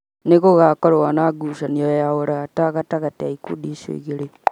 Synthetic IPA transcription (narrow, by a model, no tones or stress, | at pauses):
nekoɣakoɾowanaɡuʃaniojaoɾataɣataɣateaikṵɗiʃḛɣeɾe